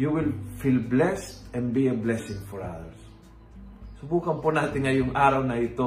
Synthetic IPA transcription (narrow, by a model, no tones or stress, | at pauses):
juwɪlfilblɛst̪ɛnd̪̚biɐblɛsɪ̃ŋfɔɹa̰ðɛɹs | ʊbuːkɐnpʊnaːt̪ɪŋŋɐjʊŋʔaːɾɐwnɐɪt̪o